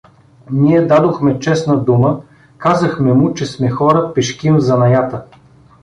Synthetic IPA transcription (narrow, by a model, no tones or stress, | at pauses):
niɛd̪ad̪oxmɛt͡ʃɛsnɐd̪umə | kazɐxmɛmʊt͡ʃɛsmɛxɔɾəpɛʃkimzɐnɐjat̪ə